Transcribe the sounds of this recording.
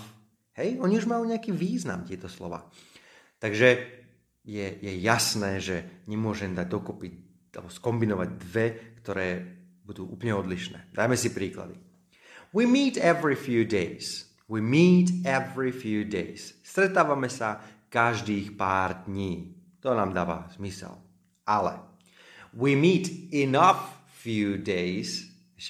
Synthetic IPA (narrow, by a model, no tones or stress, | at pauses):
hɛjɔɲiuʒmajuɲɛakiːʋiːzna̰mt̪ɪɛt̪ɔslɔ̰ʋa̰ːt̪aɡʒɛ | jɛjɛjasnɛːʒɛɲɛmʊɔʒɛmd̪aɟ̚d̪ɔkɔpi | alɛ̰bɔskɔmbinɔʋaɟ̚d̪ʋɛkt̪ɔɾɛː | bud̪uːʔuːplɲɛɔd̪liʃnɛ̰ːd̪ajmɛsipɾiːkla̰d̪ḭ | wiːmiːt̪ɛvɹifjuːd̪ɛɪs | wiːmiːt̪ɛvɹifjuːd̪ɛɪsst̪ɾɛt̪aːʋamɛsakaʒd̪iːxpaːɾd̪ɲiː | t̪ɔnaːmd̪aːʋa̰z̥misɛ̰l | ʔalɛ̰ | wimiːt̪inafː | juːd̪ɛjs